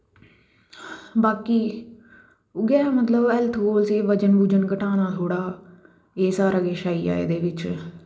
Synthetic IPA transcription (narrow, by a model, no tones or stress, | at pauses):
baːkiː | ʊɡɛːmət̪ləbɛlt̪ʰɦoːlsiːʋəd͡ʒənbuːd͡ʒənkəʈaːnaːt̪ʰoːɽaː | eːsaːɾaːɡeːʃaːiːa̰ːḛːd̪eːʋɪt͡ʃ